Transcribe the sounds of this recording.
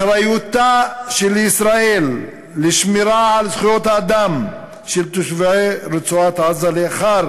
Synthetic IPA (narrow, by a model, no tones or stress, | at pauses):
ɾajut̪aʃelisɾaelː | eʃmiɾaʕalzχujot̪haːd̪am | ʃelt̪oʃveɾet͡suat̪azaleaχaɾ